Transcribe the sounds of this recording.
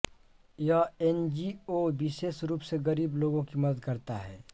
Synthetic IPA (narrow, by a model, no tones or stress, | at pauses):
jaɛnd͡ʒiobɪʃeːʃɾuːpseɣɐɾiːbloːɡõkimɐd̪əd̪kɐɾt̪aɦɛː